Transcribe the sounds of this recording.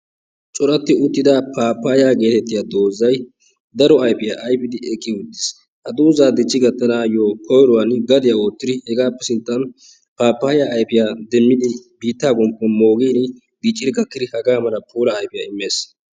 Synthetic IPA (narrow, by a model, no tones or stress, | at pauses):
t͡ʃʼɔɾɐt̪ːɪʊt̪ːɪd̪apʰaːpːaːjaːɡe̞ːt̪ɛt̪ːɪjaːd̪o̞ːzːɐj | d̪ɐɾɔɐjpɪjaʔɐjpɪd̪ɪɛkʼːɪʊd̪ːɪ̥s | hɐd̪uːzaːd̪ɪt͡ʃʼːɪɡɐt̪ːɐnaːjoːkʰɔjɾɔwɐnɡɐd̪ɪjaoːt̪ːɪd̪ɪhɛɡaːpːɛsɪnt̪ːɐn | paːpːaːjaːjpɪjaːd̪ɛmːɪd̪ɪbiːt̪ːaːɡʊmpːɛmoːɡiːn | biːt͡ʃʼːɪɪɡɐkːɪd̪ɪhɐɡaːmɐlɐpʰuːlɐːjpɪjaːɪmːe̞ːs